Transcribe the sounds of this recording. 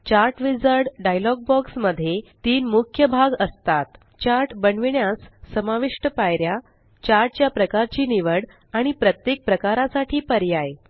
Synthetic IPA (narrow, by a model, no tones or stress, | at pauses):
t͡ɕaɾʈʋid͡zəɾɽɖajlɔɡ̚bɔksməd̪ʱːjet̪iːnmukʰjəbʱaɡəst̪at̪ | t͡ɕaɾʈbəɳʋiɳjasːəmaʋiʂʈəpajɾja | t͡ɕaɾʈ̚t͡ɕjapɾəkaɾt͡ɕiːniʋəɽ | aɽ̃ipɾət̪jek̚pɾəkaɾasaʈʰiːpəɾjaj